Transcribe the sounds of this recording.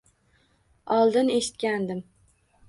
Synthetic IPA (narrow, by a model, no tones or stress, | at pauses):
ɑlˠd̪ɨneʃɪ̥t̪kʲænd̪ɪm